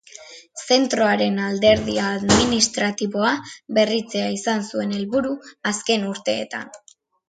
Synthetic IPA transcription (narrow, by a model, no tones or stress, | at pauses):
se̞nt̪ɾo̞aɾe̞nald̪e̞ɾðiaːðminist̪ɾat̪iβo̞aβe̞rit͡se̞aisansue̞ne̞lβuɾuaske̞nuɾt̪e̞ːt̪a̰n